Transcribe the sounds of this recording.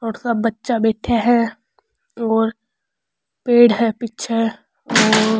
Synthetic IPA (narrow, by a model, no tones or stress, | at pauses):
ɔːɾsaːɐtːʃabɛːʈʰeɦɛ̃ | ɔːɾ | peːɽɦɛpitːt͡ʃʰe | ɔːɾ